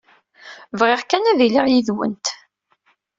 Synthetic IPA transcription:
vʁɪʁkænæðiliʁjiðwə̰nt̪

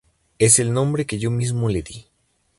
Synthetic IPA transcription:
e̞se̞lnõmbɾe̞ke̞ʝo̞mizmo̞le̞ði

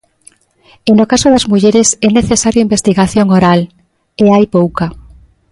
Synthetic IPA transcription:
enokasoðazmuʎeɾesɛneθesaɾjoimbest̪iɣaθjoŋoɾal | eajpowka

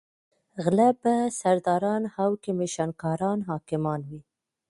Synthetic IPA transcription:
ɣlabasaɾd̪ɑɾɑnhawkɪmeʃankɑɾɑnɦɑkɪmɑnwi

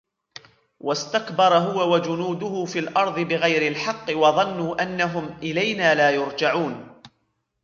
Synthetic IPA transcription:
wʔast̪akbɑɾˤɦʊwawad͡ʒʊnuːd̪ʊhʊfiːlʔɑɾˤðˤɨbɪɣajɾɪlħɑqːɨwɑðˤɑnːuːʔanːaɦʊmʔɪlajnaːlaːjʊɾd͡ʒaʕuːn

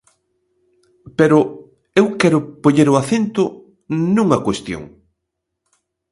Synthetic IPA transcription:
peɾʊ | ewkɛɾʊpoɲeɾʊaθent̪ʊ | nũŋɐkwest̪jo̰ŋ

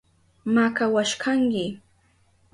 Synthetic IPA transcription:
makawaʃkʰaŋkɪ

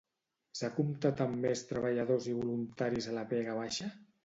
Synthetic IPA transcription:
sakumt̪at̪ammest̪ɾəβaʎaðoziβulunt̪aɾizalapɛɣaβ̞aʃa

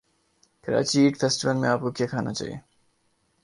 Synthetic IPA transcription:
kəɾa̰ːt͡ɕiiʈfʰesʈiʋəlmẽaːp̚kokɛkʰana̰t͡ʃa̰ːḭḛ

